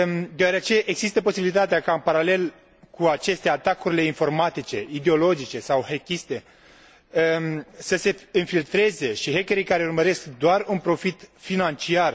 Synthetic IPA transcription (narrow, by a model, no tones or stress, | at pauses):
d̪eaɾeat͡ʃeʔeɡzist̪əposibilit̪at̪eakaɨnpaɾale̞l | kuat͡ʃe̞st̪e̞at̪akuɾile̞info̞rmat̪it͡ʃe̞id̪eo̞lo̞d͡ʒit͡ʃe̞sawhekʲist̪e̞ | səse̞ɨnfilt̪ɾe̞ze̞ʃiɦekʲeɾijkaɾe̞urməɾe̞skd̪oarunpɾo̞fit̪finant͡ʃiar